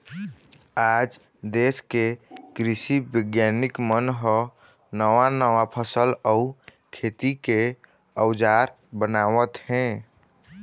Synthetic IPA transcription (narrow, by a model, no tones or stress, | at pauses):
aːd͡ʒ | d̪eːskekɾɪsibəɡjanɪkmənɦɔ | nəwanəwapʰəsəlɔu | kʰet̪ike | əwd͡ʒaːɾ | bənaːwət̪ɦɛ̃